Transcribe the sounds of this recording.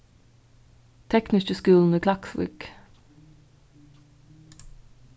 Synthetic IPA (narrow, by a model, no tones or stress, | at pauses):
t̪ʰɛknɪskəskʉːln̩iːkʰlɑksʋḭːk